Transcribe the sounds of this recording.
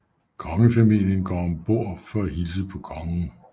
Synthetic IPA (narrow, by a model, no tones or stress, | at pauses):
kʰɒ̽ŋəfæmil̰jənɡ̥ɒ̰ːmb̥o̝ɐ̰fɒæhils̬əpʰɒ̽kʰɒ̽ŋn̩